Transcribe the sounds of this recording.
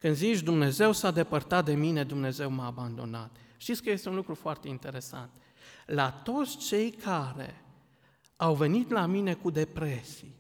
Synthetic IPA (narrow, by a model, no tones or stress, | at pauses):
kɨnd̪zit͡ʃd̪umne̞ze̞wsad̪e̞pərt̪at̪̚d̪e̞mine̞d̪umne̞ze̞wmaːband̪o̞̰nat̪ʃt̪it̪skəje̞st̪eunlukɾufoart̪e̞int̪e̞ɾe̞sa̰nt̪ | lat̪o̞t̪sʲt͡ʃe̞jkʰaɾe̞̰ | awve̞nit̪lamine̞kud̪e̞pɾe̞si